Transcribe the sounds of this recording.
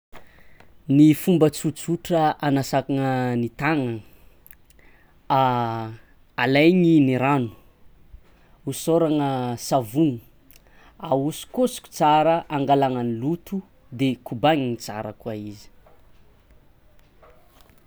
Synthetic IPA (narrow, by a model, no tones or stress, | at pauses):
nifumbət͡sut͡suʈ͡ʂəanasakaŋənit̪aŋə | a | alajɲiniɾanu̥ | usoɾaŋəsavun | ausi̥kosi̥ku̥t͡saɾəʔaŋɡalaŋənilut̪u | d̪ekubaɲinit͡sa̰ɾə̰kuaizi̥